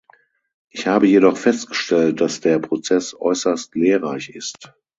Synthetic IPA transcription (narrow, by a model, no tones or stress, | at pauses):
ʔɪçhaːbəjedɔχfɛstɡ̥əʃtɛlt̚d̥asd̥eːɐpʁ̥ot͡sɛsʔɔ̰ʏsɐstleːɐʁaɪçɪst